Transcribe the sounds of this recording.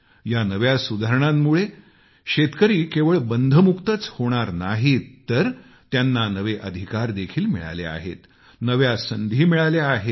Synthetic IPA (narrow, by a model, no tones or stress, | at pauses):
janəʋjasud̪ʱaɾəɳ̃amːuɭe | ɕet̪kəɾiːkeʋəɭbənd̪ʱəmukt̪ət͡shoɽ̃aɾnaɦitt̪ːəɾ | t̪janːanəʋeʔəd̪ʱikaɾd̪ekʰiːlmḭɭa̰lḛa̰ɦḛt̪ | nəʋjasənd̪ʱiːmiɭaleaɦet̪